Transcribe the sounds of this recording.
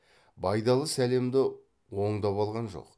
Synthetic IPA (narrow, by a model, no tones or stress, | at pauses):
bɑjd̪ɑlˠəsæle̞md̪ɪ | wo̞ɴd̪ɑpɑlˠʁɑnʒo̞̰q